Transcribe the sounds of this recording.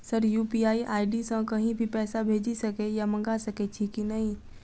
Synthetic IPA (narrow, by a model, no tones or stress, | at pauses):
sɐɾjuːpiːaːiʔaːiɖisãkɐɦĩbʱipɛːsabʱeːd͡ʒisɐkejamɐ̃ŋɡasɐket͡ʃʰikinɐɦĩ